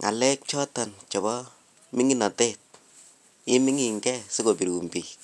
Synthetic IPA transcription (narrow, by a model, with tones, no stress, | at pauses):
ŋʔa̰˨lɛ˦k̚t͡ʃɔ˦ta˨nt͡ʃɔ˨bɔ˦ | mɪ˦ŋi˦nɔ˨te˦t̚ | ɪ˦miɪ˦ŋi˨ŋɡɛ˦se˦ko˨pi˨ɾwu˨mpi˨